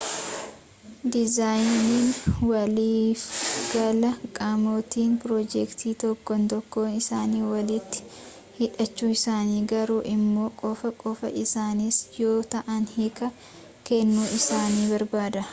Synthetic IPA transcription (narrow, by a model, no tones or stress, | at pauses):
d̪ɪzaːjniːnwɐliːfɡ̥ɐlɐkʼamoːt̪iːnpɾɔːd͡ʒɛkt̪ʰiːt̪ɔkːɔnt̪ɔkːoːnɪsaːniːwɐlɪt̪ːɪ̥ | hɪᶑɐt͡ʃːuːɪsaːniːɡɐɾuːʔɪmːo̞ːkʼɔfɐkʼɔfɐ̰ʔɪsaːnisjo̞ːt̪ɐʔɐnhɪkɐ | kɛnːuːʔɪsaːniːbɐɾbaːd̪ɐ